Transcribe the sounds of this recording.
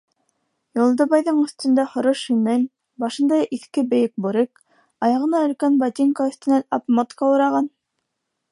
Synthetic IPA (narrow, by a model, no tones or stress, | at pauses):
jolˠd̪ɤβɑjðɤɴɵ̆θt̪ɵ̆nd̪æhŏɾɤʃɵnɘlʲ | bɑʃɤ̆nd̪ɑjʔiθkɘbɘ̆jɘk̚buɾɘk | ɑjɑʁɤ̆nɑɵ̆lkænbat̪ʲiŋkaɵ̆θt̪ɘ̆nænɑpmot̪kɑuɾɑʁɑn